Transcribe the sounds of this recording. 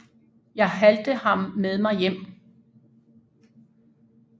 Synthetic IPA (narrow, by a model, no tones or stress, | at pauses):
jɑ̈ɪɦæld̥əhɑ̈mːeðˠmɑ̈ɪjem̰